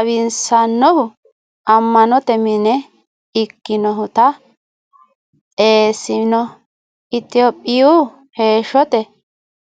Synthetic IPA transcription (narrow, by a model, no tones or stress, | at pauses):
ɐβɪnsɐnːɔhʊ | ʔɐmːɐnɔt̪ɛmɪnɛ | ɪkːɪnɔɦʊt̪ɐ | eːsɪnɔ | ɪt̪ɪɔpʼːɪju | he̞ːʃɔt̪ɛ